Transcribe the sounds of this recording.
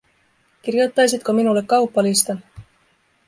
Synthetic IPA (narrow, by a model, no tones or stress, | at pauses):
kirjut̪ˑːɑjs̬it̪̚kominulekːɑwpːɑlist̪ɑn